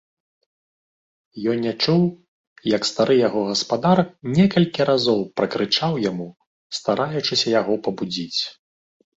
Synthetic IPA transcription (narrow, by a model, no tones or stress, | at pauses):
jɔnʲːat͡ʂuw | jɐkst̪aɾɨjaɣɔɣɐspad̪arnʲɛkɐlʲkʲiɾazɔwpɾɐkɾɨt͡ʂawjamu | st̪aɾʔajut͡ʂɨsʲɐjaɣɔpɐbud͡zʲit͡sʲ